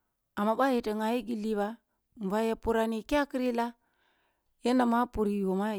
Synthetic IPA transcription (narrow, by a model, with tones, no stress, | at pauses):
a˨mːa˨ba˦je˨tə˨ŋa˨ji˦ɡi˨lːi˦βa˦ | m˨va˦ja˨pu˦˨ɾa˨ni˨ka˦ki˦ɾi˦la˦ | je˦na˨ma˦pu˨ɾi˨jo˨ma˦